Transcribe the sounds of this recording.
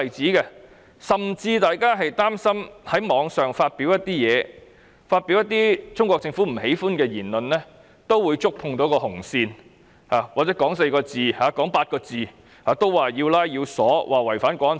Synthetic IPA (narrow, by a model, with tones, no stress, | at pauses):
jt͡siː˨˥kɛ˧ | sɐ˨mt͡siː˧t̪aː˨jkaː˥ɦɐ˨jt̪aː˥msɐ˥mhɐ˨˥jmɔː˨˧ŋsœː˨ŋfaː˧t̚pi˨˥wjɐ˥t̚t̪iː˥jɛː˨˧ | faː˧t̚piː˨˥wjɐ˥t̪ːiː˥t͡sʊ˥ŋkʷɔː˧k̚t͡sɪ˧ŋfuː˨˥m̩˨˩he˨˥jfuː˥nkɛː˧jiː˨˩nlɵ˨nlɛ˥ | t̪o˥wwuː˨˧jt͡sʊ˥k̚pʰʊ˧ŋt̪o˨˥kɔː˧hʊ˨˩ŋsiː˧n | haː˨waː˨t̚t͡sɛː˨˥kɔː˨˥ŋse˧jkɔː˧t͡siː˨haː˨˧kɔː˨˥ŋpaː˧t̚kɔː˧t͡siː˨ | haː˨˧t̪o˥wwaː˨˩jiː˧wlaː˥jji˧wsɔ̰ː˨˥wʔaː˨wɐ˨˩jfaː˨˥nkʷɔː˨˥n